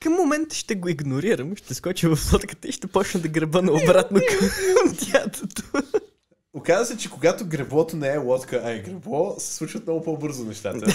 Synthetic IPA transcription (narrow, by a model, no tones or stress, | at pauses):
kəmːomɛnt̪ə̥ʃt̪ɛɡoiɡnoɾiɾəmʃt̪ɛskɔt͡ʃivɐfsˠɔt̪kə̥t̪əiʃt̪ɛpɔt͡ʃnəmd̪ɐɡɾɛbɤnɐobɾat̪nokəmmt̪ʲjat̪ot̪o | okazəsɛt͡ʃɛkoɡat̪oɡɾɛblˠɔt̪onɛɛlɔt̪kəʔɐiɡɾɛblˠɔsɛ̥slˠuʃvət̪mnɔɡʊpɔbɤɾzʊnɛʃt̪at̪ə